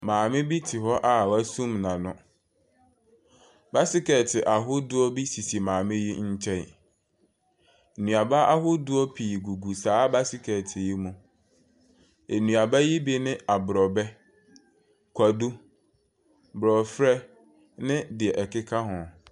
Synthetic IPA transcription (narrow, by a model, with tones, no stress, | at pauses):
mãː˨mɪ̃˦bi˦tʰɪ˨ɦɔ˦ʔa˦˨wæ˦sũ˦mnã˨nʊ̃˦ | ba˦sɪ˦kɛ˨tʰɪ˨ʔa˨ɦʊ˦dʊ˦ɔ˦bi˦si˨si˨mãː˨mɪ̃˦ji˦ɲ̩˦t͡ɕʰɛ̃˦n˨ | nũ˨a˨ba˦ʔa˦ɦʊ˦dʊ˦ɔ˦pʰiː˨ɡu˨ɡu˨saː˨˦ba˦sɪ˦kʰɛ˨tʰɪ˨ji˦mũ˨ | e˨nũ˨a˨ba˦ji˦bi˦nɪ̃˦a˨bɾɔ˨bɛ˦ | kʰʷa˨du˦ | bɾɔ˨fɾɛ˦ | nɪ̃˦dɪ˨ɛ˨ʔɛ˨kɪ˦kʰa˦ɦʊ̃˨